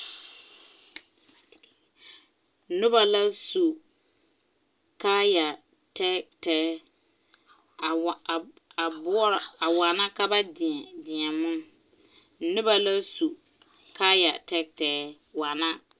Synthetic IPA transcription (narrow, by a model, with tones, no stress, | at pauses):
nʊ˦ba˨la˦su˨ | ka˦ja˨ | tɛ˦tɛː˨˦˨ | a˨bʊ˦ɔ˦ɾa˨wa˨na˦ka˦ba˦dɪ˨ɛ˨dɪ˨ɛ˨mʊ˦ | nʊ˦ba˨la˦su˨ | ka˦ja̰˨tɛ˦k̚tɛː˨˦ | wa˨na˦